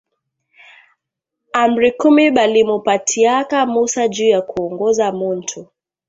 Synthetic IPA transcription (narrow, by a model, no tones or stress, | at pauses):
am̩ɾikumiɓalimupatʰiakamusad͡ʒuːjakuɔŋɡɔzamun̩tʰu